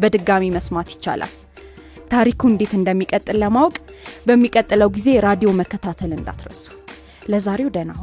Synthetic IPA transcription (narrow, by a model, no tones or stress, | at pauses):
bəd̪ɨɡːamiməsmat̪jɪ̥t͡ʃːa̰la̰l | t̪ʰaɾikʰund̪e̞t̪ɨnd̪əmːikʼət̪ʼːɨlːəmawkʼbəmːikʼət̪ʼːɨləwɡize̞ɾad̪ijo̞məkːət̪ʰat̪ʰəlɨnd̪a̰t̪ɾə̰su̥ | ləzaɾe̞wd̪əna